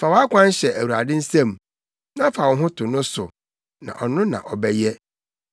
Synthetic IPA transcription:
fa˨wɔ˦a˦kʷʰã˦n˦ɕɛ˨æ˨wu˨ɾa̰˨dɪ̃˦n̩˦sã˦m˨ | nã˦fa˨wɔ˨˦ɦʊ̃˦tʰʊ˨nʊ̃˦sʊ˨ | nã̰˨ʔɔ˨nʊ̃˦nã̰˨ʔɔ˨bɛ˦jɛ˦

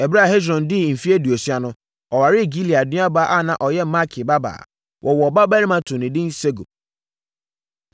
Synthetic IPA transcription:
ɛ˨bɾa˦˨ɦe˦dɾɔ̃˨n˨dɪ˦˨m̩˨fi˦e˦du˨o˨si˦a˨nʊ̃˦ | ɔ˨wa˨ɾɪ˦˨ɡi˦li˨a˨dɪ̃˦a˦ba˨˦ʔa˦˨nã˨ʔɔ˨jɛ˦ma˦kʰɪ˨ba˦ba̰ː˨ | wʔɔ˨wɔ˨ba˦bæ˦ɾi˦mã˦tʰʊ̃˨nɪ̃˨dɪ̃˦n̩˦se˦ɡo̰˨

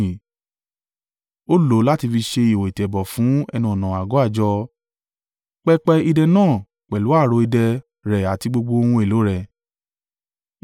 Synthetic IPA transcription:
o˦lo˨˦la˦ti˧fi˧ʃe˧i˨wo˨i˨tɛ˨bɔ˨fũ˨˦ɛ̰˧nũ˧ɔ˨nã˨a˨ɡɔ˨˦a˦˨d͡ʒɔ˧ | k͡pɛ˧k͡pɛ˧i˧dɛ˧nãː˦˨ | k͡pɛ˨lu˨˦a˦˨ɾo˧i˧dɛ˧ | ɾɛ˨a˨ti˧ɡ͡bo˧ɡ͡bo˧o˧hũ˧e˨lo˨˦ɾɛ˨

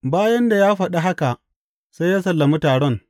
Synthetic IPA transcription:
baː˦jɐ˦nda˨jaː˦ɸɐ˨ɗa˦ɦa˦ka˨ʔ | sa˦jaː˦sɐ˨lːɐ˨mu˦taː˨ɽɔ˦˨ŋ

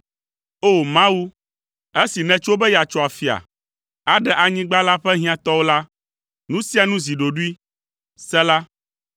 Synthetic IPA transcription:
o˦˨mã˦wu˦ | e˦si˨nɛ̃˨t͡ʃo˦bɛ˦ja˨t͡ʃɔ˦a˨fi˨a̰˨ | a˦ɖɛ˨ʔa˨ɲĩ˦ɡ͡ba˦la˦ɸɛ˦ɦĩ˦ã˨t̪ɔ˦wo˦la˦ | nũ˦si˦a˨nũ˦zi˨ɖo˨ɖu˦i˦ | sɛ˦la˦

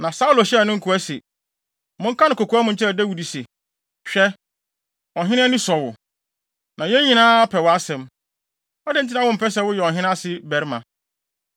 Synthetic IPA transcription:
nã˨sa˦u˦lo˨ɕɛ˦˨nʊ̃˦ŋ̩˦kʰu˨˦æ˦se˨ | mʊ̃˦ŋ̩˦kʰã˦nɪ̃˨ko˨kʰu˨˦a˦mʊ̃˦ɲ̩˨t͡ɕʰɪ˦ɛ˨dæ˦wu˨di˨sɛ˨ | ɕᶣɛ˦ | ɔ˨ɦɪ̃˦nɪ̃˦ɛ˦nɪ̃˦sɔ˨wʊ˨ | nʔã˨jɛ˦ɲĩ˨nãː˦a˦pʰɛ˨wɔ˨a˦sɛ̃˨m | ɔ˦dɪ˦n̩˨t̬ʰɪ˦ã˦wʊ̃˦m̩˨pʰɛ˦s̬ɛ˨wʊ˦jɛ˨ɔ̃˨ɦɪ̃˦n˦a˦sɪ˦bɛ˨ɾmã̰˨

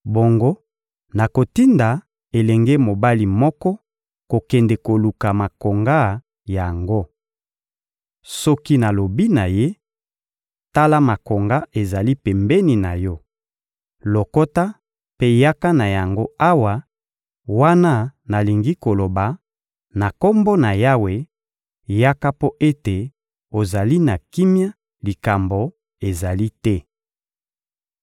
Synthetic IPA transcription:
bo˨ŋɡo˦ | na˨ko˨ti˦nda˨ | e˨lɛ˨ŋɡe˦mo˨ba˦li˨mɔ˦kɔ˦ | ko˨kɛ˨ndɛ˨ko˨lu˨ka˨ma˨ko˨ŋɡa˦ | ja˨ŋɡo˦ | sɔ˦ki˦na˨lo˨bi˦na˨je˦ | ta˦la˦ma˨ko˨ŋɡa˦ʔe˨za˨li˦pɛ˨mbɛ˦ni˨na˨jɔ˦ | lo˨ko˦ta˦ | pe˦ja˦ka˦na˨ja˨ŋɡo˦a˦wa˨ | wa˦na˦na˨li˨ŋɡi˦ko˨lo˨ba˨ | na˨ko˦mbo˦na˨ja˦we˨ | ja˦ka˦po˦ʔe˦te˨ | o˨za˨li˦na˨ki˦mja˦ | li˨ka˨mbo˨ | e˨za˨li˦tɛ˦

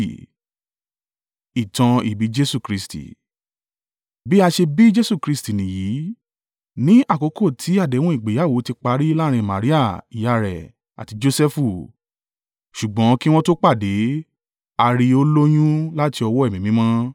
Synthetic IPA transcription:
i˨tã˧i˨bi˨˦d͡ʒe˦su˦˨kɾi˧stḭ˨ | bi˦a˧ʃe˧bi˦d͡ʒe˦su˦˨kɾi˧sti˨nĩ˨ji˨˦ | nĩ˨˦ʔa˦˨ko˨˧˦ko˦˨tʰi˨˦a˦˨de˨˦w̃ɔ̃˦i˦˨ɡ͡be˨˦a˦˨wo˨˦ti˧k͡pa˧˦ɾi˦la˦ɾ̃ĩ˧˨mã˨ɾi˦a˦˨i˨ja˨˧ɾɛ̰˨ | a̰˨ti˨˧d͡ʒo˧sɛ˦fu˦˨ | ʃu˨ɡ͡bɔ̃˨˦ki˦w̃ɔ̃˦to˦k͡pa˦˨de˨˦ | a˧ɾi˧o˦lo˦j̃ũ˦la˦ti˧ɔ˧wɔ˦ɛ˦˨mĩ˨mĩ˨˦mɔ̃˦

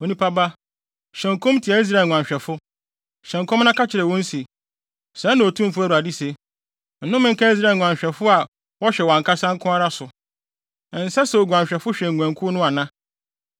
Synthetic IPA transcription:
o˨nĩ˦pʰa˦ba˦ | ɕɛ̃˨ŋkʰɔ̃˦m˦tʰi˨a˨i˦s̬ɾa˦˨ŋʷ˨ã˨ɲ˨ɕᶣɛ˨fʊ˦ | ɕɛ̃˨ŋ˨kʰɔ̃˦mnã˦ka˦t͡ɕʰɪ˨ɾɛ˨wɔ̃˦n̩˦si˨ | sɛ̃˨˦nã˨o˨tʰũ˦m˦fʊ˦æ˦˨ɾu˨a˨di˦se˨ | n̩˨˦nʊ̃˦mɪ̃˦ŋ˦kʰa˦i˦s̬ɾa˦˨ŋʷ˨ã˨ɲ˨ɕᶣɛ˨fʊ˦a˨ | wɔ˦ɕᶣɛ˨wã˨ŋ˨kʰa˦sã˦ŋ˦kʰʊ̃˦a˦ɾa˦sʊ˨ | n̩˨sɛ˦sɛ˨o˨ɡʷã˨ɲɕᶣɛ˨fʊ˦ɕᶣɛ˨ŋ˨ɡʷɛ̃˨ŋkʰʊ˦nʊ̃˦a˨nã˦

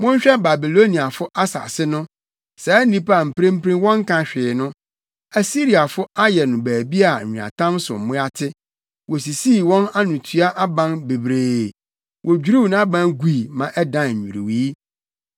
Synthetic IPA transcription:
mʊ̃˦ɲ̩˦ɕᶣɛ˦ba˨bi˨lo˦ni˨a˨fʊ˦ʔa˦sa̰˨sɪ˦nʊ̃˦ | sɛ˨˦nĩ˦pa˨m̩˨pʰɾẽ˦m˦pʰɾĩ˦wɔ̃˦ŋ˦kʰã˨ɕᶣɪː˨nʊ̃˦ | æ˨si˦ɾi˨a˨fʊ˦a˦jɛ˨nʊ̃˨bæː˨bi˦a˨ɲ̩ᶣ˨u˨a̰˨tʰã˦msʊ̰˨m̩˨mʊ̃˦a˦tʰɪ˦ | wɔ˨s̬i˨siː˦˨wɔ̃˦na˦nʊ̃˨tʰu˦a˦ʔa˦bã˦nbe˨bɾeː˨ | wʔɔ˨d͡ʑᶣɾu˦˨ñ˦a˦bã˦nɡi˨i˨mã˨ʔɛ˦dã˨ɲ̩ᶣ˨ṵ˨ɾḭ˨wi˨˦

